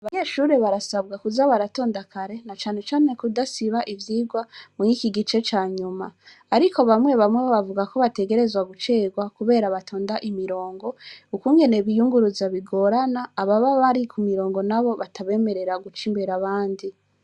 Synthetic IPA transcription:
aβaɲeːʃuːɾe̞βaɾasabɡakuzaβaɾato̞ːndakʰaɾe̞nat͡ʃaːne̞t͡ʃaːne̞kudasiβaʔivjiːɡwamuŋiːkiɡit͡ʃe̞t͡ʃaːɲuma̰ | aɾikʰo̞βamŋwe̞βamweβoβavuɡako̞βate̞ɡe̞ɾe̞zwaɡut͡ʃe̞ːɡwakuβe̞ːɾaβatʰo̞ːndaʔimiɾo̞ːŋɡo̞ukuŋɡe̞ne̞βijuŋɡuɾuzaβiɡo̞ɾanaːβaβaβaɾikʰumiɾo̞ːŋɡo̞naβo̞βatʰaβe̞ːme̞ɾe̞ɾaɡut͡ʃiːmbeɾaβaːndi

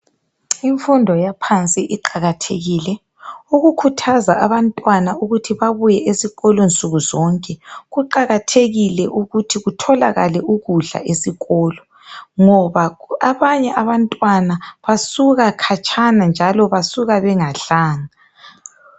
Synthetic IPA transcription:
iɱfundʱɔjapʰant͡sʼiʔiǃaɣatʰeɣiːlɛ | uɣukʰutʰazaʔaβantʼwanauɣutʰiβaβujɛʔesiɣɔlɔnt͡sʼuɣuzɔŋkʼɛɣuǃaɣatʰeɣilɛʔuɣutʰiɣutʰɔlaɣalɛʔuɣuɮa̰ʔesiɣɔːlɔ | ŋɔβaaβaɲɛʔaβantʼwanaβasuɣakʰat͡ʃʰʼanand͡ʒʱalɔβasuɣaβɛŋaɬaːŋa

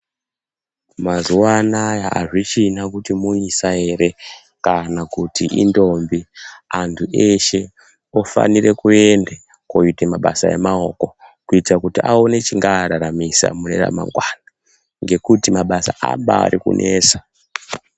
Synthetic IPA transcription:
mazuwanajaaʐit͡ʃinakutimuisae̞ɾe̞ | kanakutiʔḭndo̞mbiantʰuʔe̞ʃe̞ | ofa̰nire̞kue̞nde | koitemaɓa̰sa̰e̞̰mao̞ko̞kuitakutiao̞ne̞t͡ʃiŋɡaɾaɾamisa̰mune̞̰ɾa̰ma̰ŋɡwana | ŋɡe̞kutimaɓasaʔa̰mba̰ːɾikṵnʔeːsa

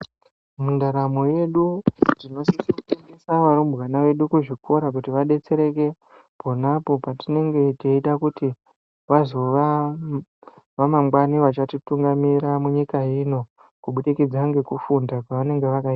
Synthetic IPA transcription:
mundaɾamoje̞ɗudino̞situteŋɡisaʋaɾumbwanaʋe̞ɗukuʐikʰo̞ɾak̬utiʋaɗe̞t͡se̞ɾe̞k̬e̞ | po̞napo̞patine̞ŋɡe̞teitakuti | ʋazo̞ʋa | ʋamaŋɡwaniʋat͡ʃatituŋɡamiɾamuɲikaino̞ | kuɓuɗikid͡zaŋɡekufundakwaʋane̞ŋɡe̞ʋakaiːta

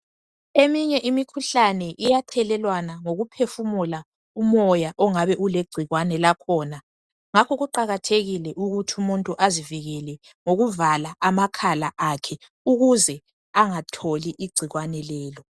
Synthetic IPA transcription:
emiɲɛʔimikʰuɬanɛʔijatʰɛlɛlwanaŋoɣupʰefumula | umɔjaʔɔŋaβɛʔuleɡ͡ǀ̥ʱiɣwanɛlakʰɔːna | ŋakʰɔɣuǃaɣatʰeɣilɛʔuɣutʰiumuntʼuʔaziviɣɛlɛ | ŋoɣuvalaʔamakʰalaʔakʰɛ | uɣuzɛ | aŋatʰoliʔiɡ͡ǀʱiɣwanɛlɛːlɔ

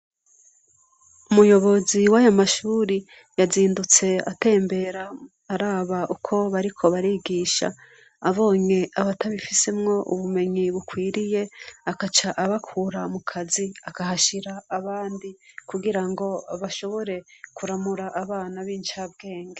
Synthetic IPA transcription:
umujo̞βo̞ziwaːjomaʃuːɾi | jaziːndut͡se̞a̰te̞ːmbe̞ɾaː | ɾaːβaʔukʰo̞βaɾikʰo̞βaɾiɡiːʃa̰ː | βo̞ːɲe̞aβataβifise̞mŋo̞ʔṵβume̞ɲiβukwiːɾije̞akat͡ʃaʔaβakʰuɾamukʰaziakahaʃiɾaːβaːndikuɡiɾaŋɡo̞βaʃo̞βo̞ɾe̞kuɾamuɾaʔaβaːnaβiːnt͡ʃabɡe̞ːŋɡe

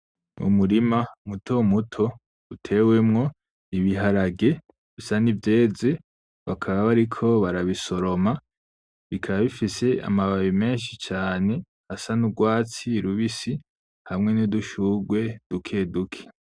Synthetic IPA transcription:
ṵmuɾimamutʰo̞mutʰo̞ | utʰe̞we̞mŋo̞ | iβiɦaɾaɡe̞ | βisanivje̞ːze̞ | βakʰaβaβaɾikʰo̞βaɾaβiso̞ɾo̞ma | βikʰaβaβifise̞a̰maβaβime̞ːnʃit͡ʃaːne̞ | hasanuɡwaːt͡siɾuβisi | hamŋe̞niduʃuɡwe̞d̥ukʰe̞dukʰe̥

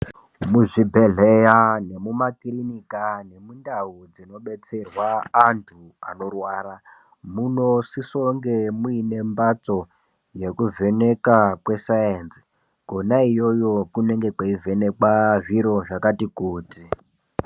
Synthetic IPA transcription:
muʐibʱe̞ɮejane̞mumakrinikane̞mundaud͡zino̞ɓe̞t͡se̞rwaːntʰu | a̰no̞rwaːra | muno̞siso̞ŋɡe̞muine̞mbat͡so̞ | je̞kuve̞ne̞kakwe̞sajensi | ɡ̥ʱonaijo̞jo̞kune̞ŋɡe̞kwaivʱe̞ne̞kwaʐiɾo̞ʐakatikuːti

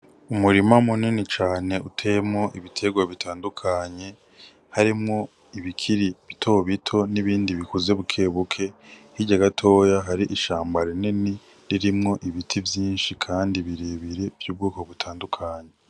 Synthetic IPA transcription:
umuɾimamuninit͡ʃaːne̞utʰemŋo̞ʔiβitʰe̞ɡwaβitʰaːndukʰaɲe̞ | haɾimŋo̞ | iβikʰiɾiβitʰo̞βitʰo̞niβiːndiβikuze̞βukʰe̞ːβukʰe̞hiɟaɡatʰo̞ːjaɦaɾiʔiʃaːmbaɾenini | ɾiɾimŋo̞ʔiβitʰivjiːnʃikʰaːndiβiɾeβiɾe̞v̥juːb̚ɡuːko̞βutʰaːndukʰaɲe̞

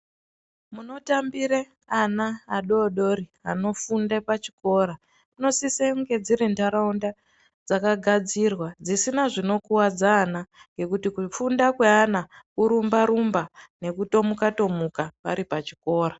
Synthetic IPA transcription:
muno̞tambiɾe | anaːɗo̞ɗo̞ɾiano̞fundepat͡ʃi̥ko̞ːɾa | muno̞siseuŋɡe̞d͡ziɾendaɾaunda | d͡zakaɡʱad͡zirwad͡zisinaʐino̞kuwad͡zaːnaŋɡe̞kutikufundakweanakuɾumbaɾumbane̞kuto̞mukato̞mukapaɾipat͡ʃiko̞ːra

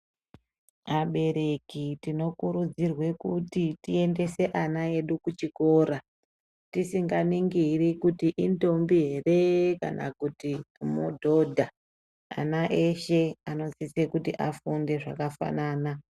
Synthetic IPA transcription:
aɓe̞ɾe̞kitino̞kuɾud͡zirwe̞kutitie̞nde̞se̞ʔanae̞ɗukut͡ʃiko̞ːɾa | tisiŋɡaniŋɡirikutiʔinto̞mbiɦe̞re̞ka̰nʔa̰kutimudʱo̞dʱa | a̰naʔe̞ʃe̞ano̞t͡sisekutiʔafunde̞ʐa̰kafa̰naːna

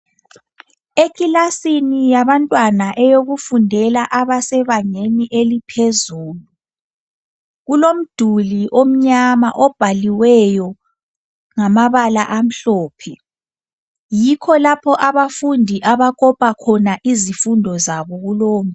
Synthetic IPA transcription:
ekʼilasinijaβantʼwanaʔɛjoɣufundʱɛlaʔaβasɛβaŋeniʔelipʰezuːlu | ɣulom̩d̥ʱuliʔom̩ɲama̰ʔɔb̥ʱaliwɛjɔ | ŋamaβalaʔam̩ɬɔːpʰɛ | jikʰɔlapʰɔʔaβafundʱiʔaβakʼɔpʼakʰɔnaʔizifundʱɔzaβɔɣuloːm

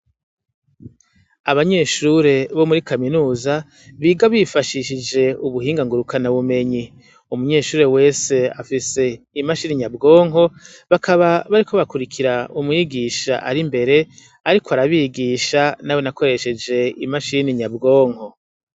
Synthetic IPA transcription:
aβaɲe̞ːʃuɾe̞βo̞muɾikaminuːza | βiːɡaβifaʃiʃid͡ʒe̞uβuhiːŋɡaŋɡuɾukʰanaβume̞ɲi | umuɲe̞ːʃuːɾewe̞ːse̞a̰fise̞ | imaʃiːniɲabɡo̞ːŋɦo̞ | βakaβaβaɾikʰo̞βakuɾikʰiɾaumŋiːɡiʃa̰ʔaɾimbe̞ɾe̞ | aɾikoaɾaβiɡiʃanawe̞nako̞ɾe̞ʃe̞d͡ʒe̞imaʃiniɲabɡo̞ːŋ̥ho̞

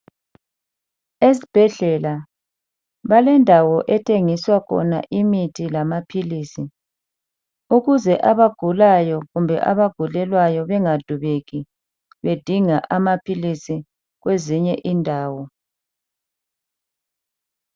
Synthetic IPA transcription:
esi̥b̥ʱɛɮɛla | βalɛndʱawɔʔɛtʰʼeŋiswakʰɔ̰na̰ʔimitʰilamapʰilisi | uɣuzɛʔaβaɡ̥ʱulajɔɣumbʱɛ̰ʔa̰βaɡ̥ʱulɛlwajɔβɛŋad̥ʱuβeɣi | βed̥ʱiŋaʔamapʰilisi | ɣweziɲɛʔindʱaːwɔ

